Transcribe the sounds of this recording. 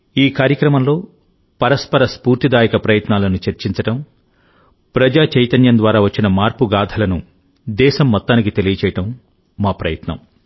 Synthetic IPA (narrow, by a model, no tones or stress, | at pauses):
iːkaːɾjɐkɾɐmɐmlo̞ː | pɐɾɐspɐɾɐspuːɾt̪id̪aːjɐkɐpɾɐjɐt̪naːlɐnut͡ʃɐɾt͡ʃiɲt͡ʃɐʈɐm | pɾɐd͡ʒaːt͡ʃɐjt̪ɐnjɐnd̪ʋaːɾaːʋɐt͡ʃːinɐmaːɾpuɡaːd̪ʱɐlɐnu | d̪ɛːʃɐmːɔt̪ːaːnikit̪e̞lijɐt͡ʃɛːjɐʈɐmː | aːpɾɐ̰jɐt̪nɐ̰m